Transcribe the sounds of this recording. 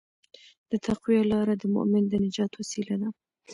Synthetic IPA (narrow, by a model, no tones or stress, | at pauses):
d̪̥ət̪ʰaqwialɑːɾad̪əmʊ̰ʔmɪnd̪ənɪd͡ʒɑːt̪wasilad̪a